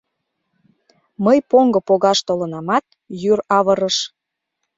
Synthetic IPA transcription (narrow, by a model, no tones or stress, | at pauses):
məjpoŋɡɤ̆poɣɑʃt̪olənɑmɑt̪̚ | jyrɑβəɾəʃ